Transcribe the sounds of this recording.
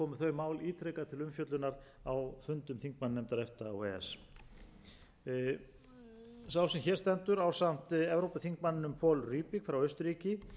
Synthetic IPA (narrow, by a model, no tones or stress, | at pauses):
kɔːmʏθœɥmaːwliːt̪ʰɾɛkat̪ʰɪlʏmfjœt̪lʏnaɾawfʏnt̪ʏmθiŋk̚manːnɛmt̪aɾɛft̪a̰ːwɛːɛ̰s | sawsɛmçɛɾ̥st̪ɛnt̪ʏɾawsam̥t̪ɛvɾowpaθiŋk̚manːɪnʏmpʰɔːlryːpɪkfɾawœɥst̪ʏɾiːcɪ